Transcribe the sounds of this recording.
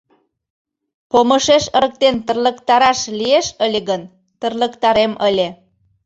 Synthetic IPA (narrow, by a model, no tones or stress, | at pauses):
pomə̆ʃeʃə̆ɾək̚t̪ent̪ə̆rlə̆kt̪ɑɾɑʃlieʃəlʲeɣən | t̪ərlə̆kt̪ɑɾeməlʲe